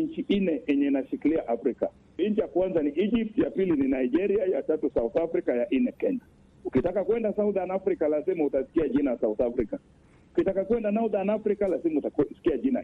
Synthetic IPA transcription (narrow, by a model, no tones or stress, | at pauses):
ɲt͡ʃiʔinɛʔɛɲɛnaʃikiliaʔafɾika̰ | ɲt͡ʃijakwanzaniʔid͡ʒip̚tjapilininaid͡ʒɛɾiajatatusauθafɾikajaʔinɛkɛɲa | ukitakakwɛndasauðanafɾikalazimautasi̥kiaʄinajasauθafɾika | ukitakakwɛndanauðanafɾikalasimiutasi̥kiaʄina